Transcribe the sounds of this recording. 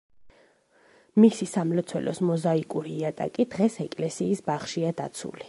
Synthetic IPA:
misisamlɔt̪sʰwɛ̰lɔsmɔzaikʼuɾiat̪ʼa̰kʼid̪̥ʁɛsɛkʼlɛsiːsbaχʃiad̪a̰t̪sʰṵli

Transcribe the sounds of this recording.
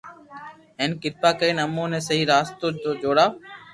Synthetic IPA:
ɦeːnkɪt̪paːkəiːnəmõːneːsəɦiːɾaːst̪oːd͡ʑoːd͡ʒoːɽaː

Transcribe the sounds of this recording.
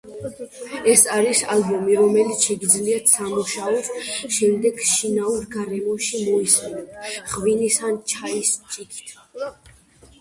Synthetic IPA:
ɛsaɾisalbɔmiɾɔmɛlit̪ʰʃɛɡid̪zliat̪ʰsamuʃaɔsʃɛmd̪ɛɡʃinauɾɡaɾɛmɔʃimɔismɛnɔt̪ʰχvinisant͡ʃʰaist͡ʃʼikʰi̥t̪ʰ

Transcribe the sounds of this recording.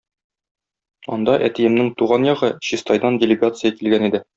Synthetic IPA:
ɒ̰nd̪ɑʔæt̪ijɘ̆mnɘŋt̪uʁɑnjɒʁɤɕist̪ɑjd̪ɑndʲɪlʲɪɡat̪sɨjəkilɡænid̪ɘ

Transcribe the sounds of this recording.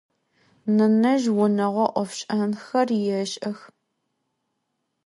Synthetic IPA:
nɨnɐʒwʊnɐʁʷɔʔʷɔfɕʼɐnxɐrjɛɕʼɐx

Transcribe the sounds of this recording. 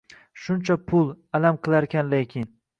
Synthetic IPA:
ʃʊnt͡ʃʰapʰʊlˠalamqʰɨlˠaɾkʲʰanlekʲʰɪn

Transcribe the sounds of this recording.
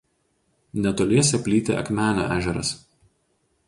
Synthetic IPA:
nʲɛt̪oːlʲeːsʲɛpʲlʲiːt̪ʲḛʔɐ̰kmʲæːnʲo̰ːʔæːʒʲɛɾɐ̰s

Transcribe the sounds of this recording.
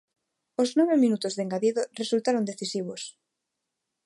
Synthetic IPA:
oznɔβemĩnut̪ʊzðeŋɡaðiðoresult̪aɾond̪eθisiβ̞os

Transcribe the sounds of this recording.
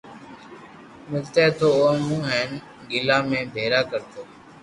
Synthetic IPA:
mɪlt̪eːt̪ʰoːoːmũːɦɛːn | ɡɪlãːmẽːbʱeːɾaːkəɾt̪ʰoː

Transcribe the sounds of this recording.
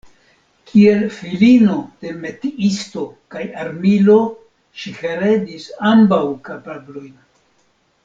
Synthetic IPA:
kʰie̞lfilino̞d̥e̞me̞tiisto̞kajaɾmilo̞ | ʃihe̞ɾe̞disambawkapablo̞jn

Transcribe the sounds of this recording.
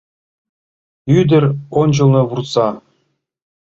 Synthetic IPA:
yd̪ʲɘ̆rʲonʲd͡ʑɤ̆lˠnɤ̆βurt̪sɑ

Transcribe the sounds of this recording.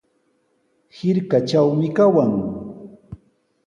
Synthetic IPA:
hɪɾkat͡ʃawmɪkawaŋ

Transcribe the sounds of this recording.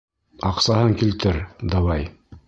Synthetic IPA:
ɑqsɑɦɤŋkilt̪ɘɾd̪ɑwɑj

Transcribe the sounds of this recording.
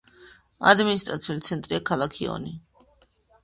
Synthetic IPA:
a̰d̪minist̪ʼɾat̪sʰiulit̪sʰɛnt̪ʼɾiakʰalˠakʰiɔ̰ni

